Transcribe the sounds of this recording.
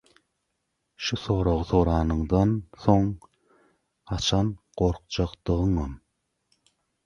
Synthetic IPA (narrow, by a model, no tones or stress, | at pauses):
ʃuθo̞ːɾoʁɯθo̞ɾɑːnɯŋd̪ɑnθo̞ŋ | hɑt͡ʃʰɑnɢ̥o̞ɾqt͡ʃɑqd̪ɯʁɯŋɯn